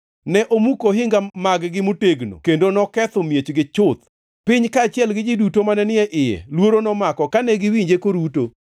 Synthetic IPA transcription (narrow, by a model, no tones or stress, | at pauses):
nɛʔomukoɦɪŋɡamaɡɡɪmuteɡno̰kendonɔkɛt̪ɔmjet͡ʃɡɪt͡ʃʊt̪̚ | pɪɲkaːt͡ʃɪɛlɡɪd͡ʒɪdutomanɛnɪɛʔɪjɛ̰lwoɾonɔmakɔkanɛɡɪwiɲd͡ʒekoɾuto